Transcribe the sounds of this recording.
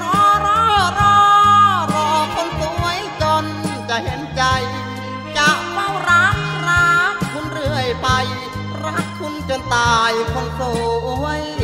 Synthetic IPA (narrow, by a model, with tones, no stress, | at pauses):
ɾɔː˧ɾɔː˧˥ɾɔː˧ɾɔː˧˩kʰo˧˥nsu˧˦˧ə˧˨jt͡ɕo˧nt͡ɕa˧he˨˧˦nt͡ɕa˧j | t͡ɕaː˨˩˦k̚ma˧˨wɾa˧˥k̚ɾaː˧˥tkʰu˧˥nɾɯ˧˩əjpa˧j | ɾa˧˥k̚kʰu˧˥nt͡ɕo˧˨nt̪aː˧˩jkʰo˧nsoː˧˩˧əj